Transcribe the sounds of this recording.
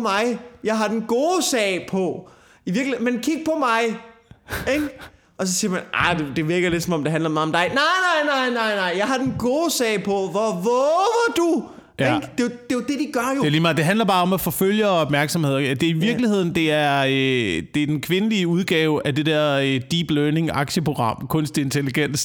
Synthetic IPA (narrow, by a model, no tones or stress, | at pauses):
mɑ̈ɪjɑ̈ɪɦɑ̈d̥enɡ̥o̝ːsɛ̰ːɪpʰɒ̽ | iʋiɐɡlimenkʰiɡ̥̚pʰɒ̽mɑ̈ɪ | eɡ̥ | ɒ̽s̬ɒ̽siːɐmænʔɑɪd̥e̝d̥e̝ʋeɐɡ̥ɐled̥sɒ̽mɒ̽md̥e̝ɦændlɐmɑ̈ːɒ̽md̥ɑ̈ɪnɑ̈ɪnɑ̈ɪnɑ̈ɪnɑ̈ɪ̰nɑ̈ɪ̰jɑ̈ɪɦɑ̈d̥enɡ̥o̝ːsɛ̰ɪpʰɒ̽ʋɒʋɔːʋɐd̥u | jæd̥e̝d̥e̝od̥e̝d̥iɡ̥ɶɐjo̥eɐliːmɑ̈d̥e̝ɦændlɐb̥ɑ̈ːɒ̽mæfɔ̽føl̰jəɒ̽b̥mæɐɡ̥sɒmhe̝ð̰ˠæd̥e̝ɐiʋiɐɡ̥lihe̝ð̞̰ˠn̩d̥e̝æɐd̥e̝æɐd̥enkʰʋe̝nəliəuðˠɡ̥ɛːʊʔæd̥e̝d̥ɛɐ̰ød̥ib̥løːne̝ŋɑ̈ɡ̥ɕəpʰʁo̝ɡ̥ʁɑ̈m̰kʰɔ̽nsd̥ee̝nt͡sʰe̝liɡ̥en̰d̥